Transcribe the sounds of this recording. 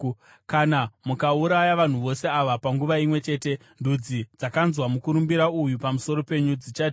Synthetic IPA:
kanamukauɾajaʋan̤uʋo̞se̞aʋapaŋɡuʋaimwe̞t͡ʃe̞ːte̞ | ndud͡zid͡zakanzwamukuɾumbiɾaujupamuso̞ɾo̞pe̞ɲud͡zit͡ʃati

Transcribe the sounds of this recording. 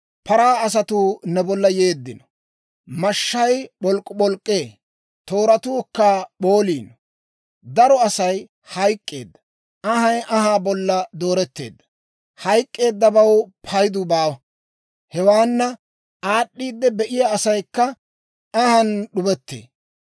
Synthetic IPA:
pɐɾaːɐs̬ɐt̪uːnɛbɔlːɐje̞ːd̪ːɪnɔ | mɐʃːɐjɓɔlkʼːʊɓɔlkʼːeː | t̪o̞ːɾɐt̪uːkːaɓoːliːn | d̪ɐɾɔɐsɐj | hɐjkʼːe̞̰ːd̪ːɐ̥ | ʔɐhɐjʔɐɦaːbɔlːɐd̪o̞ːɾɛt̪ːe̞̰ːd̪ːɐ̥ | hɐjkʼːe̞ːd̪ːɐbɐwpʰɐjd̪ʊbaːwɐ | hɛwaːnːɐ | aːɗːiːd̪ːɛbɛʔɪjaːsɐjkːɐ | ɐhɐnɗʊbɛt̪ːḛː

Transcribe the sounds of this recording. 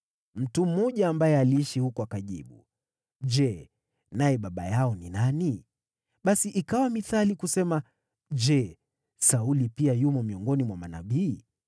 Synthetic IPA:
m̩tum̩ːɔʄaːmbajɛaliiʃihukɔakaʄḭɓṵ | d͡ʒɛ | najɛɓaɓa̰jaɔninani | ɓasiʔikawamiθalikusɛma | d͡ʒɛ | saulipiajumɔmiɔŋɡɔnimwamana̰ɓiː

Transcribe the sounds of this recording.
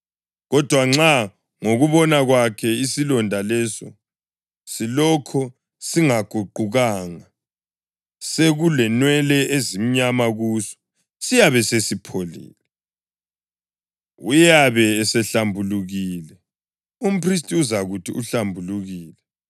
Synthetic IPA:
ɣɔd̥ʱwaŋ͡ǁa | ŋoɣuβɔnaɣwakʰɛisilɔndʱalɛsɔ̰ | silɔkʰɔ | siŋaɡ̥ʱuǃuɣaːŋa | seɣulɛnwɛlɛʔezim̩ɲamaɣusɔ̥ | sijaβɛsesipʰolḭːlɛ | ujaβɛːsɛɬambʱuluɣiːlɛ | um̩pʰris̬tʼiuzaɣutʰḭʔuɬambʱuluɣiːlɛ

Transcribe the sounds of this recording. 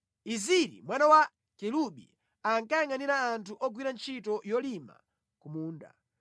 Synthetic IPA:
iziɾḭmwanawa | kɛluɓḭ | aŋkajaŋaniɾaːntʰuʔɔɡwiɾant͡ʃʰitɔjɔlima̰ | kumuːnda̰

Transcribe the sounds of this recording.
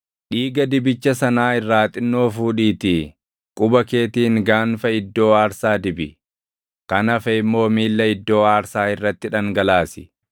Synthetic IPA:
ᶑiːɡɐd̪ɪbɪt͡ʃːɐsɐnaːɪrːaːt̪ʼɪnːo̞ːfuːᶑiːt̪ɪ | kʼʊbɐke̞ːt̪iːŋɡaːnfɐɪd̪ːo̞ːaːɾsaːd̪ɪbɪ̰ | kɐnɐfɐɪmːo̞ːmiːlːɐɪd̪ːo̞ːaːɾsaːɪrːɐt̪ːɪᶑɐŋɡɐlaːsɪ̥

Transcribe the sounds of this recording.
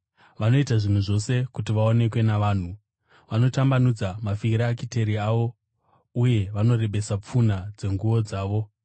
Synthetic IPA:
ʋano̞itaʐin̤uʐo̞sekutiʋao̞ne̞kwe̞naʋaːn̤u | ʋano̞tambanud͡zamafiiɾaːkite̞ɾiaʋo̞ | uje̞ʋano̞re̞ɓe̞sap͡funad͡ze̞ŋɡuʋo̞d͡zaːʋo̞

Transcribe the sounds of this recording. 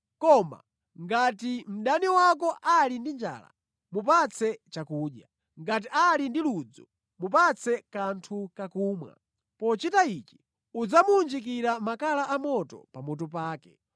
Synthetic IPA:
kɔma̰ | ŋɡatim̩ɗaniwak̬ɔʔalindind͡ʒa̰ːla̰ | mup̬at͡sʰɛt͡ʃakuːɗja | ŋɡat̬iʔalindilud͡zɔ | mup̬at͡sʰɛkantʰukakuːmwa̰ | pɔt͡ʃitait͡ʃi̥ | ud͡zamuund͡ʒik̬iɾamakalaamɔtɔ̰pamɔt̬ɔp̬aːkɛ

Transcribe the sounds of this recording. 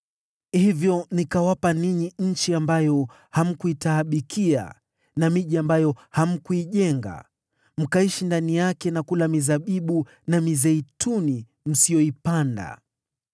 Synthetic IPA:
hivjɔnikawapaniɲiɲ̩t͡ʃiambajɔ | ham̩kuitaːɓikʰia̰ | namiʄiambajɔham̩kuiʄɛŋɡa̰ | m̩kaiʃindanijakɛnakulamizaɓiɓu | namizɛituni | m̩sijɔipanda̰

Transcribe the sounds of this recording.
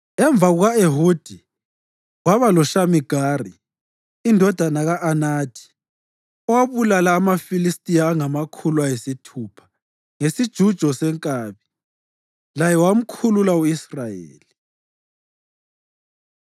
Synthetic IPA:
ɛɱb̪vʱaɣuɣaeɦuːd̥ʱi | waβalɔʃamiɡ̥ʱaːriː | ndʱɔd̥ʱanaɣaʔanaːtʰi̥ | ɔwaβulalaːmafilistʼijaːŋamakʰuluajesitʰuːpʰḁ | ŋesid̥ʒ̥ʱud̥ʒ̥ʱɔsɛŋkʼaːβi | lajɛwam̩kʰululauisrajḛːli

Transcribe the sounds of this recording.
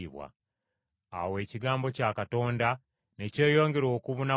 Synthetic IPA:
iβwa̰ | a̰we̞ːciɡaːmbo̞cakato̞ːnda | ne̞ce̞ːjo̞ːŋɡe̞ɾo̞ːkuβuna

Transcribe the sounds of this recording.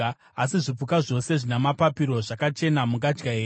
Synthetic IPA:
asiʐip͡fukaʐo̞se̞ʐinamapapiɾo̞ʐakat͡ʃe̞namuŋɡad͡ʒɡaeː

